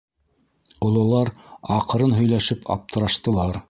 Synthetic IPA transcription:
ŏlˠɤ̆lˠɑɾɑqɤ̆ɾɤnɦɵ̆jlæʃɘpʰɑ̰p̚t̪ɤ̆ɾɑʃt̪ɤ̆lˠɑɾ

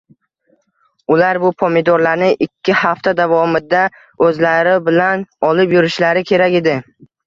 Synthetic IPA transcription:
ʊlaɾbʊpʰomid̪oɾlaɾnɪʔɪkʲʰːɪhaft̪ʰad̪avɒmɪd̪a | ɵzlaɾɪbɪlanɒlɪpjʊɾɪʃlaɾɪkʲʰe̞ɾakʲe̞d̪ɪ

